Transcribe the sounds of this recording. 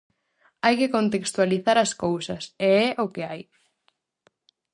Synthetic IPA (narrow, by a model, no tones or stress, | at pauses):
ajkɪkont̪ekst̪waliθaɾɐskowsɐseɛʔʊkɪaj